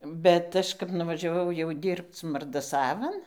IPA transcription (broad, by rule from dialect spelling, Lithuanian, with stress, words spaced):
ˈbʲɛt ˈɐʃ kɐp nʊʋɐʒʲɛˈʋɐʊ jɛʊ ˈdʲiːrpt͡s mɐrdɐˈsɑːʋɐn